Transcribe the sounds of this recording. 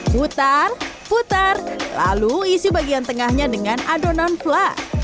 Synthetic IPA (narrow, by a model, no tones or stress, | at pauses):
put̪arput̪arla̰luisibaɡiant̪əŋahɲadəŋanadonanfla